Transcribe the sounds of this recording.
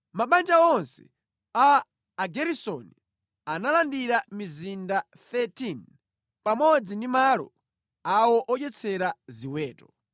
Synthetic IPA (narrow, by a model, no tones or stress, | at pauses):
maɓand͡ʒaɔnsɛ̥̰ | aː | ɡɛɾisɔni | analandiɾamizinda | θɛtin | pamɔd͡zindimaːlɔ̰ | awɔʔɔt͡ʃɛt͡sʰɛɾaziwɛːtɔ